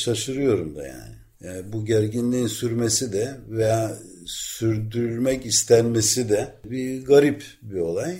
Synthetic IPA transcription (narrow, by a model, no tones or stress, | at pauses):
ʃaʃɯɾɯjo̞ɾumd̪a̰ja̰ːnɪ | buɟæɾɟinlʲiinsyɾmesid̪ɛvejaː | syɾd̪yɾylʲmɛcist̪ʰænmesid̪ɛbiɡaɾip | bio̞lˠaj